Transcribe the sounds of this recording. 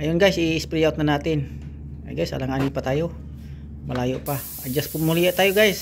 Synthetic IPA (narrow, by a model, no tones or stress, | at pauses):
ajunɡaisiːspɾiaut̪̚nanat̪in̰ | ɡajsa̰laŋanipat̪aju | məlajuʔpa | ad͡ʒaspunmoliaʔt̪ajuɡais